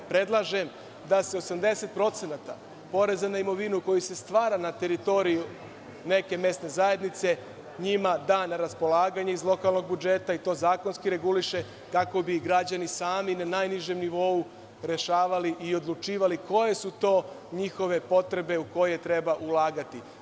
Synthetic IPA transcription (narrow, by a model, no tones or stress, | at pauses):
pɾe̞d̪lˠaʒe̞m | d̪ase̞o̞samd̪e̞se̞t̪̚pɾo̞t̪se̞nat̪a̰ | po̞ɾe̞zanaimo̞ʋinuko̞jise̞st̪ʋaːɾanat̪e̞ɾit̪o̞ɾiju | ne̞ke̞me̞st̪ne̞zaje̞d̪nit̪se̞ | ɲimad̪aːnaɾaspo̞lˠaːɡaɲeizlˠo̞kalˠno̞ɡ̚bud͡ʒe̞t̪ait̪o̞ːzaːko̞nskiɾe̞ɡuliʃe̞ | kako̞biɡɾad͡ʑanisaːminanajniʒe̞mniʋo̞u | ɾe̞ʃaːʋaliʔio̞d̪lˠut͡ʃiːʋaliko̞je̞sut̪o̞ː | ɲixo̞ʋe̞po̞t̪ɾe̞be̞uko̞jet̪ɾe̞baʔulˠaːɡat̪i